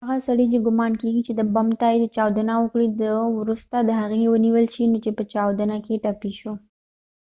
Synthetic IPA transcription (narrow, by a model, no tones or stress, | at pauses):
aɣasaɽəd͡ʒeɡʊmɑnkeɡit͡ʃed̪əbamt̪ɑjed̪ət͡ʃɑwd̪anawəkɽid̪əwɾust̪ad̪əɦaɣewəniwəlʃinot͡ʃepət͡ʃɑwd̪anakeʈapiʃu